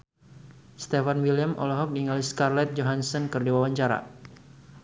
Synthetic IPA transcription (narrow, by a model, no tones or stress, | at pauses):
st̪ɛfanwiljamɔ̰lɔɦɔk̚niŋaliskarlɛt̪̚d͡ʒɔɦansɔnkərdiwawaɲt͡ʃaɾa̰